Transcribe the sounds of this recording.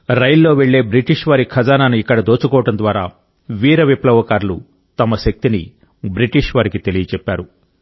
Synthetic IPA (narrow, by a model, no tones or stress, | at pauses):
ɾɐjlːo̞ːʋeɭːe̞ːbɾiʈiʂʋɐɾikʰɐd͡ʒaːnaːnuikːɐɽɐd̪oːt͡ʃukɔːʋɐʈɐnd̪ʋaːɾaː | ʋiːɾɐʋiplɐʋɐkaːɾlṵ | t̪ɐmɐʃɐk̚t̪ini | bɾiʈiʂʋaːɾikit̪e̞lijɐt͡ʃɛpːaːɾu